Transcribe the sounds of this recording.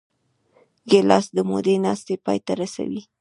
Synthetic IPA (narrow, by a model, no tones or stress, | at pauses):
ɡelɑsd̪əmod̪enɑst̪epɑjt̪aɾasa̰wi